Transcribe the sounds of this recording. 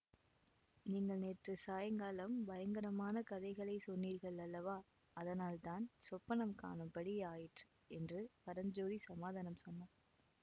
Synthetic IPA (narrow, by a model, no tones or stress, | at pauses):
niːŋɡɐɭneːʈrɯsaːjɐŋɡaːlɐmbɐjɐŋɡɐɾɐmaːnɐkɐðɐɪɣɐɭɐɪsɔnːiːɾɣɐɭɐɭːɐʋaː | ɐðɐnaːlt̪aːnsɔpːɐnɐmka̰ːnɯmpɐɽɪjaːjɪʈrɯ | ɛndrɯpɐɾɐnd͡ʒoːðisɐmaːðaːnɐmsɔnːɐː